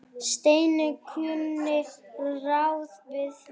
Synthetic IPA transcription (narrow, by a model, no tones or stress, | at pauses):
ʃteɪnəkʰyənnɪxɾaʊsbɪs